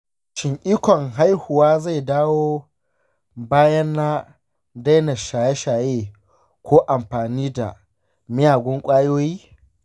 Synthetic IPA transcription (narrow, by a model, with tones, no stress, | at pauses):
ʃɪ˨ŋʔʲiː˦kʷɔ˨ŋɦa˦jhʊ˨waː˦za˦˨jdaː˦woː˦ | baː˦jɐ˦nːa˦ | da˦jnɐ˨ʃaː˨jɛ˦ʃaː˨jeː˦ | kʷʰoː˦ʔa˨mɸaː˨niː˦da̰˨ | mɪ˦jaː˨ɡʷʊ˦ŋkʷʼaː˦joː˦jiː˦